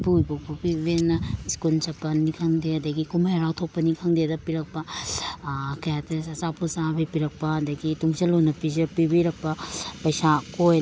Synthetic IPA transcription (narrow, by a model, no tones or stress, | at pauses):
pujbokpupibenːɐiskulsɐpɐnikʰaŋdeɐdɐɡikumajɾawtʰok̚pɐnikʰaŋdedɐpiɾɐk̚pɐ | kɐjatesɐsapʰusabipiɾɐk̚pɐɐdɐɡituŋsɐlonɐpizpibiɾɐk̚pɐpɐjsakoj